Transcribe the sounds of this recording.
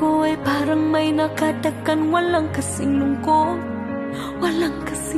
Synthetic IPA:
koɛpaːɾɐŋmɐjnɐkad̪ɐkːɐnwɐlaŋkɐsɪŋlʊŋko | wɐlaŋkɐsɪ

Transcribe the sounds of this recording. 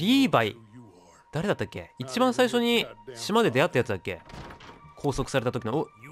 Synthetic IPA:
ɾʲiːbai | d̪̥aɾe̞d̪at̪ːakʲːe̞̰it͡ɕibãɰ̃saiɕo̞ɲ̟iɕimad̪e̞d̪e̞at̪ːajat͡sɨd̪akːe̞̰ | kʰo̞ːso̞kɯ̟̥saɾe̞t̪at̪okʲinoo

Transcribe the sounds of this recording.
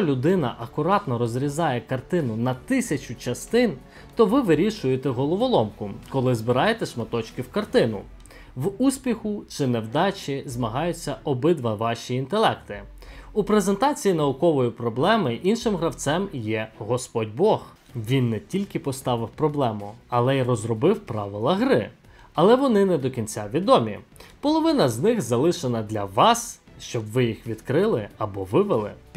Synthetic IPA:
ɔlʲʊd̪ɪnɐ̰ʔɐkʊɾɑt̪nɔɾɔzɾʲizɑjɛkɐrt̪ɪnʊnɐt̪ɪsʲɐt͡ʃʲʊt͡ʃɐst̪ɪn | t̪ɔʋɪʋɪɾʲiʃʊjet̪ɛɦɔlˠɔʋɔlˠɔmkʊkɔlˠɪzbɪɾɑjet̪ɛʃmɐt̪ɔt͡ʃkɪwkɐrt̪ɪnʊ̰ | ʋusʲpʲixʊt͡ʃɪnɛwd̪ɑt͡ʃʲizmɐɦɑjʊt͡sʲːɐɔbɪd̪ʋɐʋɑʃʲiːnt̪elˠɛkt̪ɪ | upɾezent̪ɑt͡sʲijinɐʊkɔʋɔjipɾɔblˠɛmɪʔinʃɪmɦɾɐwt̪sɛmjɛɦɔspɔdʲbɔx | ʋʲinːɛtʲilʲkɪpɔst̪ɑʋɪwpɾɔblˠɛmʊɐlˠɛirɔzrɔbɪwpɾɑʋɪlˠɐɦɾɪ | ɐlˠɛʋɔnɪnɛd̪ɔkʲinʲt͡sʲaʋʲid̪ɔmʲḭpɔlˠɔʋɪnɐznɪxzɐlˠɪʃenɐd̪lʲɐʋɑs | ʃt͡ʃɔbʋɪjixʋʲid̪kɾɪlˠɪɐbɔʋɪʋɪlˠɪ̰

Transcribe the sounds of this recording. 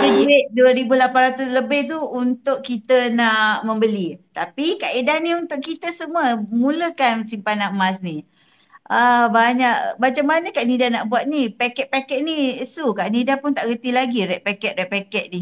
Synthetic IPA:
əiɾɪʔ̚duəɾibulapanrat̪usləbɪht̪̬uunt̪ʊʔkit̪ənaʔmə̃mbəlit̪apikaʔidaniunt̪ʊʔkit̪əsəməmuləkansimpanaʔmas̬ni | ʔəbaɲaʔbat͡ʃaŋmanəkaʔnidanaʔbuat̪̚nipakɛtʔ̪̚pakɛʔ̚nisukaʔnidapʊnt̪aʔɡət̪ilaɡiɾɛʔpakɛʔ̪̚rɛʔpakɛʔ̪̚ni

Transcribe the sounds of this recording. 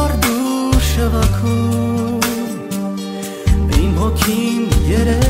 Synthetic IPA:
ɑɾd̪uʃəvɑkʰu | m | ɾimɔkʰinjɛɾɛ

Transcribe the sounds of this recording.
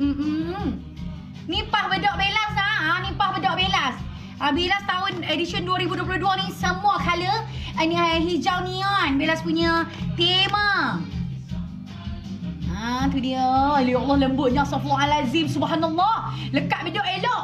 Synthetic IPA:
m̩ʔ̩ | nĩmpahbədɔʔbelaslahanĩmpahbədɔʔbelas | ʔabilast̪aʊnediʃənduəɾibuduəp̬lʊhduanĩsəmuakaləənaɦid͡ʒawnianbelaspuɲət̪emə | at̪udiələjɔlːɔhləmbʊʔɲãsɔfɔalazimsubɦanalːɔhləkaʔ̪̚bidɔʔelɔʔ

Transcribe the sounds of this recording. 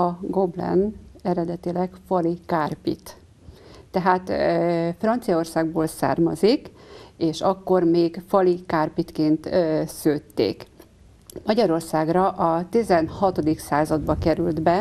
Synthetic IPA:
ɒɡo̞blɛ̰nɛɾɛd̪ɛt̪ilɛkfɒlikaːrpḭt̪ː | ɛɦaːt̪frɒnt̪sijɒo̞rsaːɡ̚boːlsa̰ːrmɒzikeːʃɒkːo̞rmeːɡfɒlikaːrpit̪keːnt̪søːt̪ːḛːk | mɒɟɒɾo̞rsaːɡrɒʔɒt̪izɛnhɒt̪o̞d̪iksaːzɒd̪bɒkɛɾyld̪bɛ

